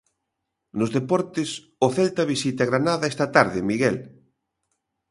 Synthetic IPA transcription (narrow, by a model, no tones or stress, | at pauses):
nʊzðepɔɾt̪ɪs | ʊθɛlt̪ɐβisit̪aɣɾanaðaɛst̪ɐt̪aɾðɪmiɣɛl